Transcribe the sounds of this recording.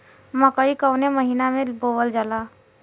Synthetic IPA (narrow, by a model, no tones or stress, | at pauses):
məkəikəwneməɦinamebowəld͡ʒala